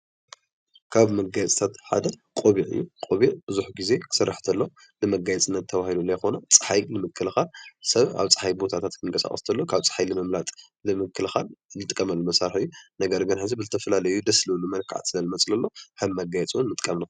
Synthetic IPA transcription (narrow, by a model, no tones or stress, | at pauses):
kʰaβmɐɡajt͡sʼt̪ʰat̪ħa̰d̪ɐkʼoβiʕɨ̰jːukʼoβiʕbɨzuħɡize̞ksɐrːa̰ħt̪ʰɐlːo̞ | nɨmɐɡajɛt͡sʼɨnːɐt̪ʰːɐβahilulːɐjxo̞nɐt͡sʼɨ̥ħajlɨmɨkʰːɨlxalsɐβa̰βt͡sʼɨ̥ħajbo̞t̪ʰat̪ʰat̪kʰɨŋkʰʼɐsa̰χʼɐ̰st̪ʰɐlːo̞kʰaβt͡sʼɨ̥ħajlɨmɐmlat̪ʼ | lɨmɨkʰːɨlxalnɨt̪ʼɨkʼːɐmɐlːumɐsaɾħɨjːunɐɡɐɾɡɨnħɨzibɨzɨt̪ʰɐfɐlalɐjud̪ɐslɨlːumɐnkʰa̰ʕa̰t̪sɨlɐlɨmɐt͡sʼlɐlːo̞hɐβmɐɡajɛt͡sʼnmɨt̪ʼkʼɐmnɐ